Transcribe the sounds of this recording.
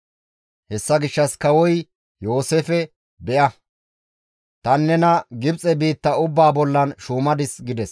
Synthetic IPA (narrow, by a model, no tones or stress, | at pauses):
hɛsːɐɡɪʃːɐskɐwɔj | jo̞ːseːfɛ | bɛʔɐ | t̪ɐnːɛnɐɡɪbt͡sʼɛbiːt̪ːɐʊbːaːbɔlːɐnʃuːmɐd̪ɪsɡɪd̪ɛs